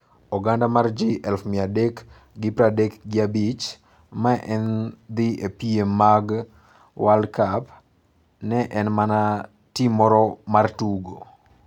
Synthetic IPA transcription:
ɔɡandamard͡ʒiʔɛlfmɪadek | ɡɪpɾadekɡɪabit͡ʃ | maʔɛnd̪ɪepiemːaɡ | wʔalkap | nɛʔɛnmana | timɔɾɔmartuɡo̰

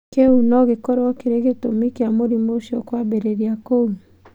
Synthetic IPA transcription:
keunɔɣekɔɾwɔkeɾeɣetomikjamoɾimoʃɔkwabeɾeɾjakou

